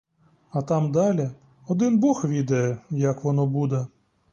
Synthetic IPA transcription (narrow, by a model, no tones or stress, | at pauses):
ɐt̪ɑmd̪ɑlʲi | ɔd̪ɪnbɔxʋʲid̪ɐjɛjɐkʋɔnɔbud̪ɛ